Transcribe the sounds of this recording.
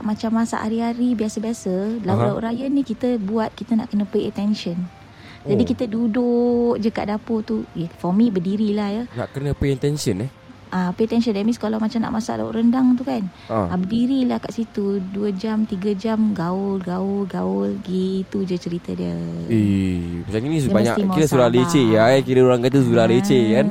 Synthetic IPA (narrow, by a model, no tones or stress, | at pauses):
ʔmat͡ʃamːasa̰ʔaɾiaɾibiasəbiasəlaaṵʔɾajənikit̪əbuat̪̚kit̪əna̰ʔkənə̃peət̪ɛnʃɔn | d͡ʒadikit̪əduduʔd͡ʒəka̰ʔdapot̪ujafɔmĩbədiɾilahjana̰ʔkənə̃peɛt̪ɛnsənh | ʔapeət̪ɛnsəndamĩskalawmat͡ʃamna̰ʔmasa̰ʔda̰ʔɾəndaŋt̪ukan | aabədiɾilahkaʔsit̪uduəd͡ʒamt̪iɡad͡ʒamɡaʊlɡaʊlɡaʊlɡet̪ud͡ʒət͡ʃəɾit̪ədiəimat͡ʃaminĩsdbaɲa̰kimiɾasuɾahlet͡ʃeakiɾəoɾaŋkat̪̬əsuɾahlet͡ʃekan